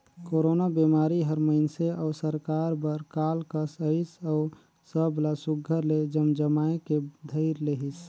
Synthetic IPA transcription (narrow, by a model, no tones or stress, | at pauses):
koɾonabemaːɾiɦəɾməɪnseɔːsəɾkaɾbəɾkalkəsəisəʊ | səblasuɡʱːəɾled͡ʒəmd͡ʒəmaeked̪ʱəɪɾleɦis